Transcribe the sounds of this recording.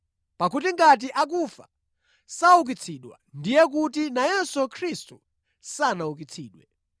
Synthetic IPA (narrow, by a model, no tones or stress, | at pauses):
pakutiŋɡat̬iʔakufa̰ | sauk̬it͡sʰiɗwa̰ndijɛk̬utinajɛsukʰɾistṵ | sanauk̬it͡sʰḭːɗwɛ̰